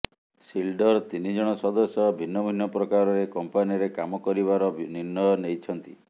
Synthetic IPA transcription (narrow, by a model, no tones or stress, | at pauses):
silɖɔɾt̪inid͡ʒɔɽ̃ɔsɔd̪ɔsjɔbʱinːɔbʱinːɔpɾɔkaɾɔɾekɔmpaniɔɾekamɔkɔɾiβaɾɔninːɔnejt͡ʃʰɔnt̪i